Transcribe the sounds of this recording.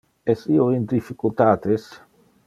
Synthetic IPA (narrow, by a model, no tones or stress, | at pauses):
ɛsioind̪ifikult̪aːt̪es